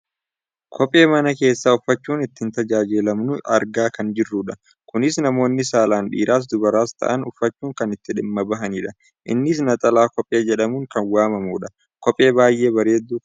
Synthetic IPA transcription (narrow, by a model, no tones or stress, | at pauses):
kʰɔpʼːe̞ːmɐnɐke̞ːsːaːʊfːɐt͡ʃːuːnɪt̪ːɪɪnt̪ɐd͡ʒaːd͡ʒɪlɐmnʊɐɾɡaːkɐnd͡ʒɪrːuːᶑɐ | kʊnɪsnɐmo̞ːnːɪsaːlaːnᶑḭːɾaːs̬d̪ʊbɐɾaːst̪ʰɐ̰ʔɐnʊfːɐt͡ʃːuːŋkɐnɪt̪ːɪᶑɪmːɐbɐɦɐniːᶑɐ | ʔɪ̰nːɪs̬nɐt̪ʼɐlaːkɔpʼːe̞ːd͡ʒɛᶑɐmuːŋkɐnwaːmɐmuːᶑɐ | kɔpʼe̞ːbaːjʔe̞ːbɐɾe̞ːd̪ːu